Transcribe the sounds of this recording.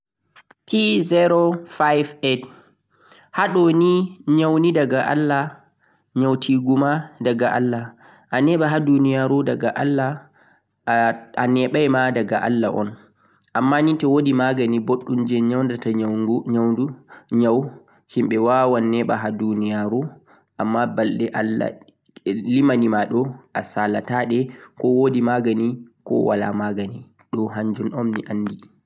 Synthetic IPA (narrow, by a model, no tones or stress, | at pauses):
kizɛɾofajvet | haɗɔniɲawnidaɡaʔa̰lːa | ɲawtʰiɡumadaɡaʔa̰lːa | ʔanɛɓaɦadunijaɾudaɡaʔalːa | a̰nɛɓajmadaɡa̰ʔa̰lːa̰ʔɔ̰n | ʔamːanitɛwodimaɡaniboɗːumd͡ʒɛɲawndataɡɲawduɲaw | himɓɛwawanːɛɓaɦadunijaɾu | ʔamːabalɗɛʔalːa̰ | limanimaɗɔʔasalataɗɛkɔwodimaɡanikɔ̰wa̰la̰maɡani | ɗɔɦaɲd͡ʒunɔmnḭʔanːdi